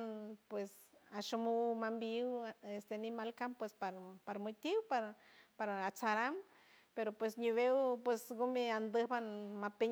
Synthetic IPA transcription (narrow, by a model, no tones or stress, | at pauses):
npwes | aʃumuwmambiwest̪eanimalkampwespaɾpaɾmot̪iwpaɾ | paɾaat͡saɾam | peɾopwesɲuβewpwesɡomeand̪ɨhbanmapeɲ